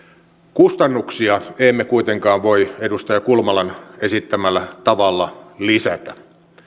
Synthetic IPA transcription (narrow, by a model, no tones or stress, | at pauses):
kust̪ɑnːuksiɑeimːekuit̪eŋkɑːʋʋoiedust̪ɑjɑkulmɑlɑnesit̪ːæmælːæt̪ɑʋɑlːɑlisæt̪æ